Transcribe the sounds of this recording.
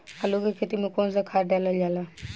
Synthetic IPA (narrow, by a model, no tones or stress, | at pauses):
alokekʰet̪imẽkoːnsakʰaːɖalad͡ʒala